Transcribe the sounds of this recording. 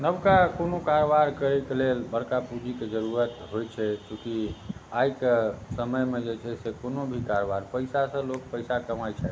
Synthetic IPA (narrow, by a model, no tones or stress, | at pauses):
nəbkakonokaɾobaɾkəɾɛkelelbəɽkapud͡ʒʱiked͡ʒəɾuɾət̪ɦojt͡ʃʰɛkjũkiajkesəməjmed͡ʒet͡ʃʰɛsekonobʱikaɾobaɾpəjsasə̃lok̚pəjsakəmajt͡ʃʰɛ